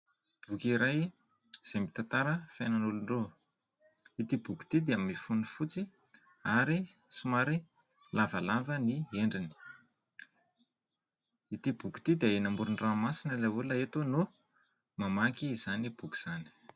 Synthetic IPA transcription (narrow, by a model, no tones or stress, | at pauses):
b̥ukiɾaj | z̥emit̪at̪aɾəfajnanuluɳɖ͡ʐo | it̪ibuku̥t̪id̪eamifunufut͡si | aɾisumaɾi | lavəlavənieɳɖ͡ʐini̥ | it̪ibuku̥t̪id̪eaenambuɾuɳɖ͡ʐamasinəlavulaet̪unu | mamakiːz̥anib̥uki̥z̥ani̥